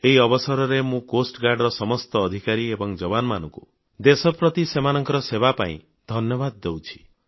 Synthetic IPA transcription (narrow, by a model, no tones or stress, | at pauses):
eɦiɔbɔsɔɾɔɾemũkosʈɡaɾɖɾɔsɔmɔst̪ɔːd̪ʱikaɾiebɔŋd͡ʒɔbanɔmanɔ̃ŋku | d̪esɔpɾɔt̪isemanɔŋkɔɾɔsebapa̰ḭ̃ | d̪ʱɔnjɔbad̪̚ːewt͡ʃʰi̥